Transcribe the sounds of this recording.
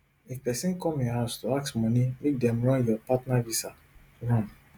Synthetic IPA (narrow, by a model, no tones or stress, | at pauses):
epɛsɛ̃nkɔ̃mẽhaʊstoaksmɔ̃nimek̚dɛ̃mɹɔ̃njɔpatnavisa | ɹɔ̃n